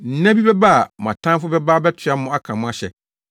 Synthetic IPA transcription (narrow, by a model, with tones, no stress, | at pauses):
n̩˨˦næ̃˦bi˦bɛ˦ba˦a˨mã̰˨tʰã˦fʊ˦bɛ˦ba˦bɛ˦tʰɪ˨a˦ʊ̃˦a˦kʰã˨mʊ̃˦a˦ɕɛ̰˨